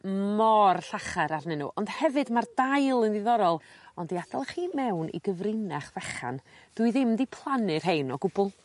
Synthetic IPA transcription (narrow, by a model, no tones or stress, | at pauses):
mɔrɬaχaɾarnɪnṵʔɔnd̥hɛvɨdmardajlˠənðɨðɔɾɔlˠɔndiadalˠχiːmɛwnʔḭɡəvrɪnaχvɛχa̰nd̥wɨðɪmdipʰlˠanɨr̥ɦejnɔɡʊbʊlˠ